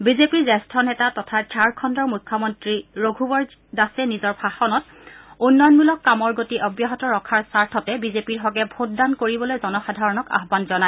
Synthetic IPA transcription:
bizepiɹzɛstʰɔnɛtatɔtʰad͡ʒʰaɹkʰɔndɔɹmukʰːɔmɔntɹiɹoɡʱubɔɹ | dasɛnizɔɹbʰʱaxɔnɔt̚ | unːɔjɔnmulɔkːamɔɹɡotiʔɔbjaɦɔtɔɹɔkʰaɹsaɹtʰɔtɛbizepiɹɦɔɡɛbʱot̚dankoɹibɔlojzɔnɔxadʱaɹɔnɔka̰ɦbanzɔnaɛ

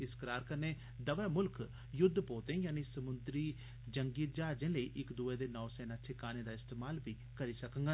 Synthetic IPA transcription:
ɪskəɾaːɾkəɾneː | d̪əʋəmʊlk | jʊd̪ʱːpoːt̪ẽːjaːnisəmʊnd̪ɾiː | d͡ʒəŋɡiːt̪̚d͡ʒaːd͡ʒẽːləiːʔɪkd̪uːeːd̪eːnɔːsɛːnaːt͡ʃʰekaːnẽːd̪aːɪst̪eːmaːlbiː | kəɾiːsəkə̃ŋɡaː

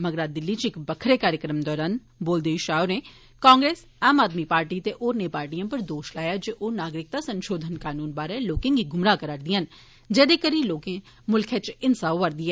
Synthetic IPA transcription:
məɡɾaːd̪ɪlːiːt͡ʃɪkbəkʰːɾeːkaːɾjəkɾəmd̪ɔːɾaːn | boːld̪eːiʃaːʊneː | kãːŋɡɾeːs | aːmaːd̪miːpaːɾʈiːt̪eːʔoːɾnẽːpaːɾʈijãːpəɾd̪oːʃlaːjaːd͡ʒeːʔoːnaːɡɾɪk̚t̪aːsənʃoːd̪ʱənkaːnuːnbaːɾɛːloːkɪ̃ŋɡiːɡʱʊmɾaːkəɾəɽd̪iãn | d͡ʒɛːd̪eːkəɾiːloːkɪ̃ː | mʊlkʰɛːt͡ʃɪnsaːʋʋəɾd̪iːɛː

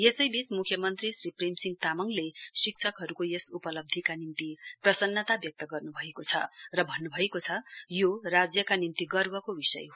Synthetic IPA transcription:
jesʌjbit͡smukʰjʌmʌnt̪risriprimsiŋɡt̪amʌŋlesik̚t͡sʰʌkɦʌɾukojesupʌlʌb̚d̪ʱikanint̪iprʌsʌnːʌt̪abjʌk̚t̪ʌɡʌrnubʱʌekot͡sʰʌ̰rʌbʱʌnːubʱʌekot͡sʰʌjorad͡zjʌkanint̪iɡʌrbʌkobisʌ̰jɦ

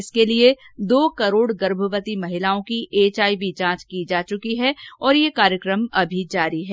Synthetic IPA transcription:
ɪskelied̪oːkɐɾoːɽɡɐɾbʱəʋət̪imɐɦɪlaːõkiʔeːt͡ʃaːibid͡ʒãːt͡ʃkid͡ʒaːt͡ʃʊkiɦɛɔːɾjekaːɾjəkɾəmɐbʱid͡ʒaːɾiɦɛː

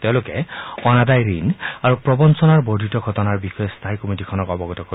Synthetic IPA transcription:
teʊ̃lʊkɛɔnadajɹinaɹupɹɔbɔnsɔnaɹbodʱitɔɡʱɔtɔnaɹbixɔjɔstʰaɦikomitikʰɔnɔkɔbɔɡɔtɔko

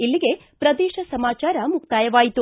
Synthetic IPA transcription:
ilːiɡe̞ | pɾɐd̪ɛːʃɐsɐmaːt͡ʃaːɾɐmukt̪aːjɐʋaːjit̪u

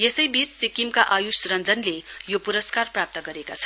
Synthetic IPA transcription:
jesʌjbisːikimkaʔʌjusrʌnd͡zʌnlejopuɾʌskarprap̚t̪ʌɡʌɾekat͡sʰʌ

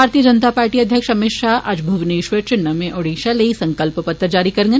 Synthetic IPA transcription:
aːɾt̪ijəd͡ʒɐnt̪apaːɾʈiːɐd̪ʱjəkʃɐmɪtʃaɦʔɐd͡ʒbʱuʋneːʃʋət͡ʃɪɳːəmẽʔoːɽiːʃaleisɐ̃ŋkəlppɐt̪ːɾəd͡ʒaːɾikɐɾŋɡ

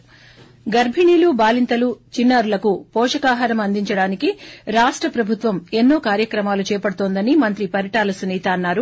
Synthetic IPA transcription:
ɡɐɾbʱiɳiːlubaːlint̪ɐlut͡ʃinːaːɾulɐkupɔːʂɐkaːɦɐɾɐmɐnd̪iɲt͡ʃɐɽaːnikiɾaːʂʈɾɐpɾɐbʱut̪ʋɐme̞nːoːkaːɾjɐkɾɐmaːlut͡ʃɛːjɐpɐɽut̪oːnd̪ɐnimɐnt̪ɾipɐɾiʈaːlɐsuniːt̪ɐːnːaːɾu

